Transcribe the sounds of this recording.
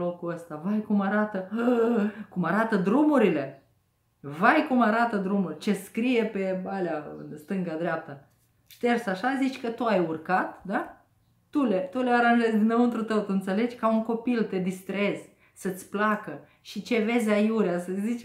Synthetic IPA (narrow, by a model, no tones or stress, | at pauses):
lo̞kuəst̪avajkumaɾat̪ə | kumaɾat̪əd̪ɾumuɾile̞ | vajkumaɾat̪əd̪ɾumurʲt͡ʃe̞skɾije̞pe̞aleaɨ̰nst̪ɨŋɡad̪ɾeap̚t̪ə | ʃt̪ersaʃazit͡ʃʲkət̪uajurkat̪d̪aː | ulet̪ule̞aɾanʒe̞zʲd̪inəɨnt̪ɾut̪əwt̪uɨnt̪se̞le̞d͡ʒʲkauŋko̞pilt̪e̞d̪ist̪ɾe̞z̥ | sət̪sʲplakə | ʃit͡ʃe̞ve̞zʲajuɾeasəzit͡ʃ